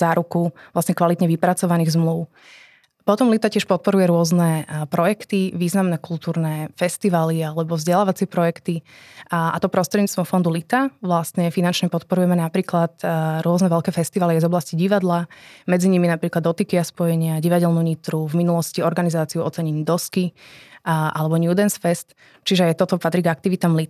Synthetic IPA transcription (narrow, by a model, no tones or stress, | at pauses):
zaːɾukuʋlasɲɛkʋalit̪ɲɛʋipɾat͡sɔʋaniːɣzmluʊ | pɔt̪ɔmlit̪acɪɛʃpɔt̪̚pɔɾujɛɾʊɔznɛpɾɔjɛkt̪iʋiːznamnɛkulˠt̪uːɾnɛfɛst̪iʋalialɛbɔvzɟɛlaːʋat͡sɪɛpɾɔjɛkt̪i | ʔa̰t̪ɔpɾɔst̪ɾɛd̪ɲiːt͡st̪ɔmfɔnd̪ulit̪aʋlast̪ɲɛfinant͡ʃɲɛpɔt̪pɔɾujɛmɛnapɾiːklat̪ɾʊɔznɛʋɛlkɛːfɛst̪iʋaliazɔblasciɟiʋad̪lamɛd͡ziɲiminapɾiːklad̪ɔt̪ikiaspɔjɛɲɪaɟiʋaɟɛlnuɲit̪ɾuvminulɔsciɔɾɡanizaːt͡siuɔ̰t͡sɛɲɛɲid̪ɔski | ʔa̰lɛbɔɲjud̪ɛnsfɛst̪ | t͡ʃiʒɛajt̪ɔt̪ɔpat̪ɾiɡak̚t̪iʋit̪aːmlit̪